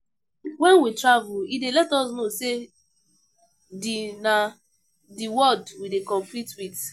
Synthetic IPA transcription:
wɛ̃nwitɹavuidelɛtɔs̬nose | dina | diwɔdwidekɔ̃ɱflitwit

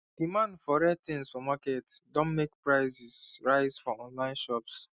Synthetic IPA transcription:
d̥imãndfɔɹɛtɪ̃nsfɔmakɛtdõnmek̚pɹaɪzisɹaɪzfɔɔ̃nlãɪ̃nʃɔps

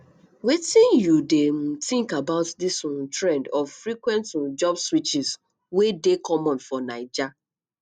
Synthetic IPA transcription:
witĩnjudem̩tĩŋkabaʊtdisuntɹɛ̃ndɔvfɾikwɛ̃ntũnd͡ʒɔbswit͡ʃis | wedekʰɔmɔ̃nfɔnaɪd͡ʒa

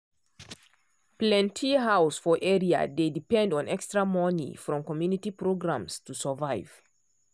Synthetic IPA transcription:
plɛ̃ntʰiɦaʊsfɔʔɛɹia̰dedipɛ̃ndɔ̃nɛkstɹamɔnḭfɹɔ̃mkɔmjunitipɹoɡɹãmstusəvaɪv̥

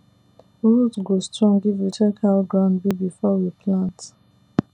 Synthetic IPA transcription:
ɹulzɡostɹɔ̃ŋɡivitʰɛkʰalɡɹãʊ̃nbibifɔwipʰlãnt

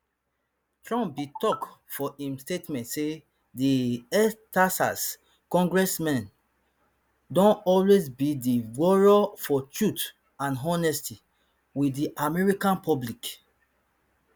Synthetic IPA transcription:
tɹɔ̃mpbitɔkfɔĩmstetmɛ̃ntse | diɛstasa̰s | kɔ̃ŋɡɹɛsmɛ̃n | dɔ̃nɔlwezbidiwɔɹɔfɔtɹut | ãnɦɔ̃nɛsti | widiʔamɛɹikãnpʰɔblik

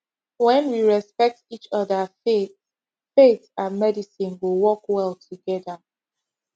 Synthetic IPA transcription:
wɛ̃nwiɹɛspɛk̚tit͡ʃɔðəfet | fetsamɛdisĩnwilwɔkwɛlˠtʰuɡɛðə

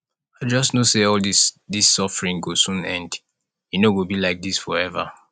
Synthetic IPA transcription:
aɪd͡ʒʌsnoseɔldisdisːɔfəɹĩŋɡosũnɛ̃nd | junoɡobilaɪk̚disfɔɹɛvə̰

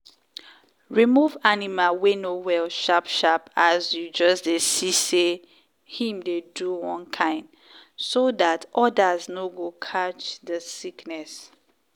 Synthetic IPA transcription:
ɹimuvanimawenowɛlʃapʃapazjud͡ʒʌsdesise | hĩmdeduwɔ̃nkʰãɪ̃nd | sodatʔɔdaznoɡokʰat͡ʃðəsiknɛs

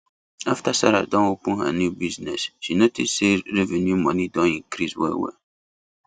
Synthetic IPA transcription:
aftasaɾa̰dɔ̃nwopũnha̰njubiznɛsʃinotisseɾevenjumɔnidɔ̃nĩkɾiswɛ̰wɛ̰

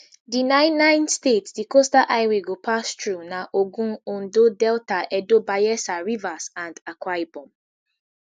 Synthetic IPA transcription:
dinaɪnãɪ̃ndstetsdikostaʔaɪweɡopastɾunaʔoɡũn̩on̩dodɛltaʔɛdobajɛsaɾivasãndakʷajbɔ̃m

